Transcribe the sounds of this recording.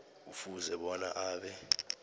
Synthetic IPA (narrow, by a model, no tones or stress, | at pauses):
ufuzɛɓɔna̰ʔaːɓɛ